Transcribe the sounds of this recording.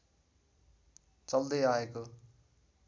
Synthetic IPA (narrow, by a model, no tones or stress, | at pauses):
t͡sʌld̪ʌjaeko